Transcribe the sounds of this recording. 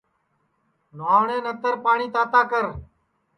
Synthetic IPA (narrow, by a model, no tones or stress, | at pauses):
naːʋɳẽːnət̪əɾpaːɳiːt̪aːt̪aːkəɾ